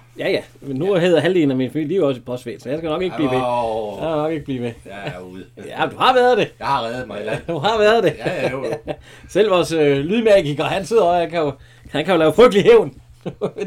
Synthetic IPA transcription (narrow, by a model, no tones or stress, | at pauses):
jæjæmenːuɐɦe̝ð̰ˠɐɦældinæminfæmil̰jliʊɒ̽sipʰɒ̽sd̥ʋḛːnsɒ̽jɑ̈ɪsɡ̥ænɒ̽ɡ̥e̝ɡ̥blḭːmejaænɒ̽ɡ̥e̝ɡ̥̚b̥liːʋe | jæd̥uhɑ̈ʋæɐð̩ˠd̥e̝jʁɛðˠd̥uɦɑ̈ʋæɐð̞̩ˠd̥e | sel̰ʋɒsølyðˠmæɡ̥iɡ̥ɐhænse̝ð̰ˠɐɒkʰæjo̝ | hænkʰæjo̝lɛːʊfʁœɡ̥d̥əliɦeʊn